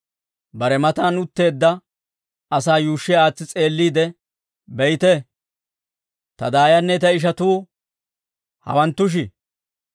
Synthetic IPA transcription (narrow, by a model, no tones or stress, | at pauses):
bɐɾɛmɐt̪aːnʊt̪ːe̞ːd̪ːɐ | ɐsaːjuːʃːɛaːt͡sːɪt͡sʼe̞ːlːiːd̪ɛ | bɛjt̪ɛ | t̪ɐd̪aːjɐnːɛt̪ɐɪʃ̬ɐt̪uː | hɐ̰wɐnt̪ːʊʃ̬ɪ